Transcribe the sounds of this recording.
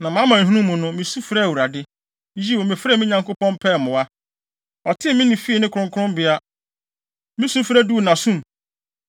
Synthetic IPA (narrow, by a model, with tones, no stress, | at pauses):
nã˨mã˦mã˨ɦũ˦ũ˦mũ˨nʊ̃˦mĩ˨su˦fɾa˦˨wu˨ɾa˨dɪ˦ | ji˦wo˨mɪ̃˨fɾɛ˦˨mĩ˦ɲã˨ŋkʰo˦pɔ̃˦mpʰɛ˦˨mʊ̃˨wa˦ | ɔ˨tʰɪ̃˦mɪ̃˦nĩ˨fi˦i˨nɪ̃˦kʰʊ˨ʊ̃˨ŋkʰʊ˦ʊ̃˦mbɪ˨a˦ | mĩ˦su˦fɾæ˦du˦˨nã˨sũ˦˨m